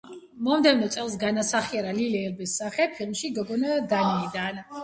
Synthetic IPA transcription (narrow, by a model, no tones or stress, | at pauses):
mɔmd̪ɛvnɔt̪sʼɛlˠs̬ɡanasaχiaɾalilɛːlbɛsːaχɛpʰilˠmʃiɡɔɡɔnad̪aniːd̪an